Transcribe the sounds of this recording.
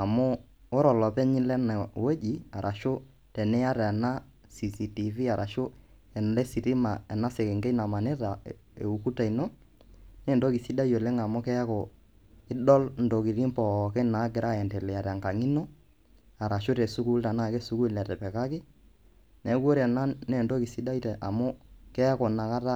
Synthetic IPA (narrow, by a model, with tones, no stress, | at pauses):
a˨mʊ˦ | o˦ɾɔ˨lɔ˨pɛ˦ɲɪ˦lɛ˦na˨we˦d͡ʒi˨a˨ɾʔa˨ʃʊ˦ | tɛ˨nɛ˦ja˦ɾa˨na˦ | si˨si˨ti˨vi˦a˨ɾʔa˨ʃʊ˦ | ɛ˨n˨lɛ˦si˨ti˦ma˨ɛ˨na˦sɛ˨kɛ˨ŋɡɛ˦na˨ma˨nɪ˦ta˨ | ḛ˨u˨ku˦ta˨i˨no˦ | ne˦ndo˦ki˨si˦da˦jo˨le˦ŋa˨mʊ˦kɛ˦a˦ko˨ | ɪ˦ɗɔ˦ln̩do˨ki˨ɾi˦mpɔ˨kɛ˦na˨˦ɡɪ˨ɾʔa˦ɛ˨ntɛ˨lɛ˨ja˨ɾa˨ŋka˨ŋi˦no˦ | a˨ɾa˨ʃʊ˦te˨su˦ku˦lta˨na˦˨ke˦su˨ku˦˨lɛ˨tɛ˨pɛ˨ka˦kɪ˦ | nɛ˨˦ko˦ɾɛ˨na˦ne˦˨nto˦ki˨si˦da˦i˦tɛ˨ʔa˨mʊ˦kɛ˦ko˨na˨ka˦ta˦